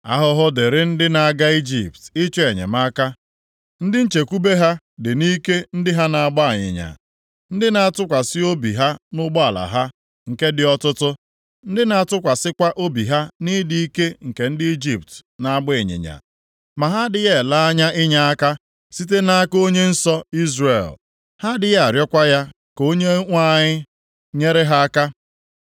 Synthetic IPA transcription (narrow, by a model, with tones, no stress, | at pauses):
a̰˦ɦʊ˦ɦʊ˦dɪ˨ɾɪ˦n̩˦dɪ˦na˨a˦ɡa˦i˦d͡ʒḭ˨p̚tɪ˦t͡ʃe˦e˨ɲḛ˨ma˦ka˦ | n̩˦dɪ˦n̩˦t͡ʃe˨ku˦be˦ɦa˦ | dɪ˨ni˦ke˦n̩˦dɪ˦ɦa˦na˨a˨ɡ͡ba˦a˨ɲɪ̰˨ɲa̰˨ | n̩˦dɪ˦na˨a˨tʊ˦kʷa˨sɪ˦o˦bi˨ɦa˦nʊ˦ɡ͡bɔ˦a˨la̰˨ɦa˦ | ŋ̩˨ke˦dɪ˨ɔ˦tʊ˦tʊ˦ | n̩˦dɪ˦na˨a˨tʊ˦kʷa˨sɪ˦kʷa˦ʔo˦bi˨ɦa˦ni˦di˦i˦ke˦ŋ̩˨ke˨n̩˦dɪ˦i˦d͡ʒi˦p̚tna˨a˦ɡ͡be˨ɲɪ̰˨ɲa̰˨ | ma˨ɦa˦dɪ˨je˦˨la˦a˦ɲa˦ʔɪ˦ɲa˦a˦ka˦ | si˦t̬e˦na˦ko˦ɲe˦n̩˦sɔ˦i˦zrḛ˨l | ha˦dɪ˨ja˨ɾjɔ˦kʷa˦ja˦ | ko˦ɲe˦ŋʷa˦˨ɲɪ˦ | ɲe˦ɾe˦ɦa˦a˦ka˦